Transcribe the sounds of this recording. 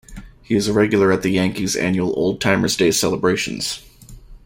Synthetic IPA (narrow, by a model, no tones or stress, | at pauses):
hiɨzɨɹɛɡjl̩ˠə˞ɨt̪̚ðɨjæ̃ŋkizæ̰̃njul̩ˠo̰ʊlˠd̚tʰãɪ̃mə˞zdeɪsɛlˠəbɹeɪʃɨ̰̃n̩z̥